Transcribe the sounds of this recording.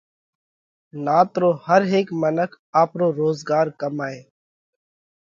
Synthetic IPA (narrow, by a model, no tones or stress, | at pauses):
naːt̪ɾoːhəɾɦeːkmənəkʰ | aːpɾoːɾoːzɡaːɾkəmaːeː